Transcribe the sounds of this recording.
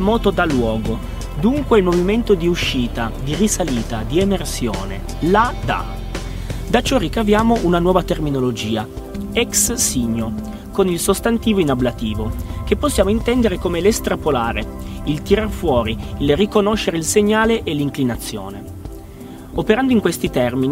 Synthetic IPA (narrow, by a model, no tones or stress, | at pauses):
mɔːt̪od̪alwɔːɡo | d̪uŋkweilmoviment̪od̪iuʃːiːt̪ad̪irisaliːt̪ad̪iemersjoːne | lad̪a̰ | d̪at͡ʃɔrikavjaːmoʔunanwɔːvat̪erminolod͡ʒiːa | ɛkssiɲːo | konilsost̪ant̪iːvoinablat̪iːvokepːosːjaːmoint̪ɛnd̪eɾekomelest̪ɾapolaːɾeilt̪iɾarfwɔːɾiːlrikonoʃːeɾeilseɲːaːleʔelːiŋklinat̪sːjo̰ːne | opeɾand̪oiŋkwest̪it̪ɛrmini